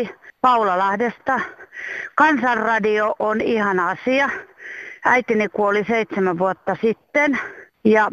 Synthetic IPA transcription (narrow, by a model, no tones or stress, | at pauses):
pɑulɑlɑhdest̪ɑ | kɑnsɑrrɑdioʔonihɑnɑsiɑ | æit̪inikuoliseit̪semæʋʋuot̪ːɑsit̪ːen | jɑ